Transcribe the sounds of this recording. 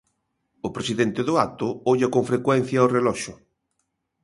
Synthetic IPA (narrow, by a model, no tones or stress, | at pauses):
ʊpɾesiðɛnt̪ɪðʊat̪ʊoʎɐkoɱfɾekwɛn̟θjɐorelɔʃʊ